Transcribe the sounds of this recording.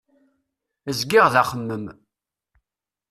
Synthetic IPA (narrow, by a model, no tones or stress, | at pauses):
əzɡɪʁðaχəmːəm